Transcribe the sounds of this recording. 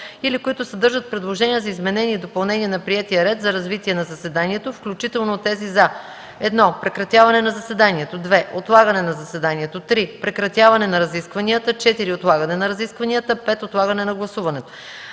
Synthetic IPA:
ilikoit̪ʊsɛd̪ɤɾʒət̪̚pɾɛd̪lˠoʒɛnʲiəzɐizmɛnɛnʲiːd̪opɐlˠnɛniɛnɐpɾiɛt̪iəɾɛt̪zɐɾɐzvit̪iɛnɐzɐsɛd̪aniɛt̪ofklʲut͡ʃit̪ɛlˠnot̪ːɛzizɐ | ɛd̪nɔpɾɛkɾɐt̪ʲjavɐnɛnɐzɐsɛd̪aniɛt̪od̪vɛʔot̪lˠaɡɐnɛnɐzɐsɛd̪aniɛt̪ot̪ɾipɾɛkɾɐt̪ʲjavɐnɛnɐɾɐziskvɐniət̪ət͡ʃɛt̪iɾiot̪lˠaɡɐnɛnɐɾɐziskvɐnijət̪əpɛt̪ot̪lˠaɡɐnɛnɐɡlˠɐsuvɐnɛt̪o̥

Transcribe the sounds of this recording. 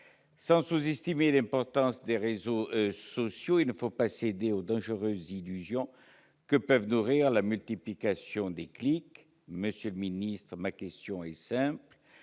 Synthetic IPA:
sɑ̃suzɛst̪imelɛ̃pɔʁt̪ɑ̃sd̪eʁezosɔsjoilnəfopased̪eod̪ɑ̃ʒəʁøzːilyzjɔ̃ | kəpœvnuʁiʁlamylt̪iplikasjɔ̃d̪eklik | məsjøləminist̪χəmakɛst̪jɔ̃ɛsɛ̃pl

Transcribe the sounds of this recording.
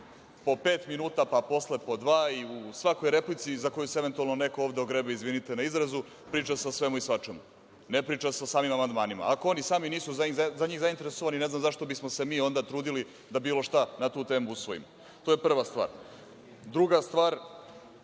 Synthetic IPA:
po̞peːt̪minuːt̪apapo̞sle̞po̞d̪ʋaːiusʋako̞jɾe̞plit̪sizako̞juseeʋe̞nt̪ualno̞ne̞kooːʋd̪eoɡɾebeizʋinit̪e̞naizɾazu | pɾiːt͡ʃaseosʋe̞muisʋat͡ʃemu | nepɾiːt͡ʃasosaːmimamand̪maːnima̰ako̞o̞nisaːminiːsuzaazaɲiːɣzaint̪e̞ɾesoʋanineznamzaʃt̪o̞bismose̞miːo̞nd̪at̪ɾuːd̪ili | d̪abiːlo̞ʃt̪anat̪uːt̪e̞ːmuusʋo̞jḭmo | t̪ojepr̩ʋast̪ʋa̰ːɾ | d̪ɾuɡast̪ʋaːɾ

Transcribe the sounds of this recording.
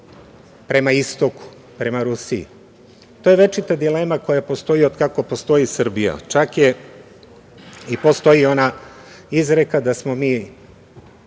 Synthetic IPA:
pɾe̞maist̪oku̥ | pɾe̞maɾusiḭ | t̪ojeʋe̞t͡ʃit̪ad̪ile̞ːmako̞japo̞st̪o̞jiod̪kako̞po̞st̪o̞isr̩bija̰t͡ʃakje | ipo̞st̪o̞io̞naizɾe̞kad̪asmo̞miː

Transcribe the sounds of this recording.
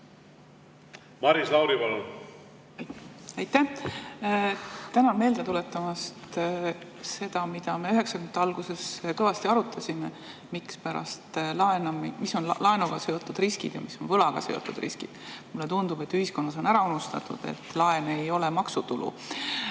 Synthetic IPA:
mɑɾislɑwɾipɑlon | ɑjt̪ːæ | t̪ænɑnme̞ːld̪et̪ule̞t̪ːˑɑmɑst̪ | se̞d̪̥ɑmid̪̥ɑme̞yɦe̞ksɑkymd̪ɑlɡ̥use̞skɤvɑst̪iɑɾut̪ʰːˑɑsʲime | mikspæɾɑ̰st̪lɑenɑmmiso̞nlɑe̞nuɡ̥ɑseo̞t̪ːˑud̪̥riskid̪̥jɑ̰misːo̞nvɤlɑɡ̥ɑ̰seo̰t̪ːˑṵd̪riskid̪̥mulːe̞t̪und̪ub̥e̞t̪ːyhisko̞nːɑs̬o̞næɾɑunust̪ɑt̪ːˑṵd̪̥e̞̰t̪ːˑlɑe̞ne̞jo̞lemɑksut̪ulṵ

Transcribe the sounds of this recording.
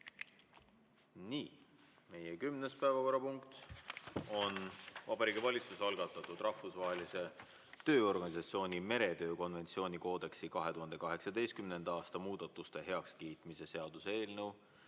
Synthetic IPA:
niː | me̞jekymnespæevɑko̞rːɑpuŋkt̪ | o̞nvɑbɑɾiːɡ̥ivɑlʲit̪susɑlɡ̥ɑt̪ːˑɑt̪ːˑud̪rɑhfusvɑːɦelise̞ | t̪ø̞ːo̞rɡ̥ɑnʲisɑt̪sio̞ːnʲime̞ɾe̞t̪ø̞ːko̞nve̞nt̪sio̞ːnʲiko̞ːd̪e̞ksikɑɦe̞t̪uɦɑnd̪e̞kɑɦe̞ksɑd̪e̞jst̪kymne̞nd̪̥ɑɑːst̪ɑmuːd̪̥ɑt̪ːˑust̪e̞ɦe̞ɑkskiːt̪mise̞seɑd̪̥usee̞ːlnɤw

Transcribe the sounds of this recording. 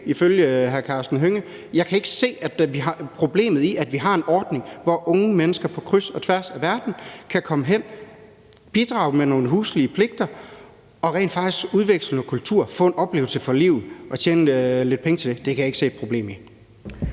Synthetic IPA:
iføljəɦæɐkʰɑ̈ːsd̥n̩ɦøŋə | jɑ̈ɪkʰæe̝ɡ̥əse̝̰ːæd̥ʋiɦɑ̈pʰʁo̝b̥le̝̰ːmð̩ˠiʔæd̥ʋiɦɑ̈e̝nʔɒːd̥ne̝ŋʋɒʔɔ̽ŋəmenəsɡ̥ɐpʰɒ̽kʰʁysɒ̽t͡sʰʋæɐ̰sæʋæɐd̥n̩kʰækʰɒ̽məɦen̰ | b̥id̥ʁɑ̈ʊmeno̝ːnəɦuːsliəpʰle̝ɡ̥̚d̥ɐ | ɒ̽ʁɛ̰ːndfɑ̈ɡ̥isɡ̥uðˠʋeɡ̥sl̩n̩ɒkʰult͡sʰuɐ̰fɔ̰̽ːe̝nʔɒ̽b̥le̝̰ːʊlsəfɒlḭʊð̩ˠʔɒ̽t͡ɕʰeːnəle̝d̥̚pʰeŋət͡sʰe̝ld̥e̝d̥e̝kʰæjɑe̝ɡ̥se̝̰ːd̥̚pʰʁob̥ḛːmi

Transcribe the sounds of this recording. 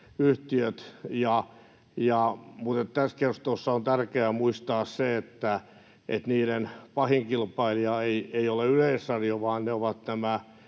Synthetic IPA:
yht̪iøt̪jɑ | jɑmut̪et̪t̪æskert̪osːɑont̪ærkeæmuist̪ɑːsseet̪ːæ | ʔḛt̪niːɾenpɑhiŋkilpɑiliɑeieioleyleisːɑrjoʋɑːnneoʋɑt̪næmæ

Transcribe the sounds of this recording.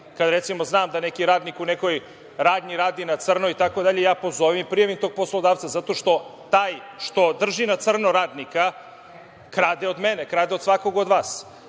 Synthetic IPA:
kad̪ɾet̪simoznaːmd̪ane̞kiɾaːd̪nikuneko̞j | ɾaːd̪niɾaːd̪inat̪sr̩noit̪ako̞d̪aʎejaːpo̞zoʋimpɾijaʋimt̪o̞ːɡ̚poslˠod̪aːʋt̪sazat̪o̞ʃt̪o̞t̪aːjʃt̪o̞d̪r̩ʒinat̪sr̩noɾaːd̪nika | kɾaːd̪eo̞d̪menekɾaːd̪eo̞d̪sʋako̞ɡod̪ʋaːs

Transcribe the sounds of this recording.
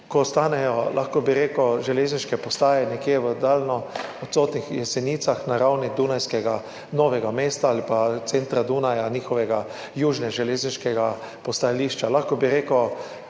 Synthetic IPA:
kɔst̪aːnɛjɔlʔaxkɔbiɾeːkɔʒɛleːzniʃkɛpɔst̪aːjɛnɛkjeːʋəd̪aːlnɔɔt̪soːt̪nixjɛsɛniːt̪saxnaɾawnid̪uːnajskɛɡa | nɔːʋɛɡameːst̪aaːlipat̪sent̪ɾad̪unajanʲiːxɔʋɛɡa | juːʒnɛʒɛleːzniʃkɛɡa | pɔst̪ajaliːʃt͡ʃalaxkɔbiɾeːkɔ

